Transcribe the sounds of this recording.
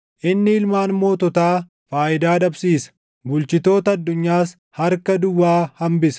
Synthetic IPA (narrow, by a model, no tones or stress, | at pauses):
ʔɪnːɪɪlmaːnmo̞ːt̪ɔt̪aː | faːʔɪd̪aːᶑɐbsiːsɐ̥ | bʊlt͡ʃɪt̪o̞ːt̪ɐɐd̪ːʊɲːaːs | hɐɾkɐd̪ʊwːaːhɐmbɪsɐ̥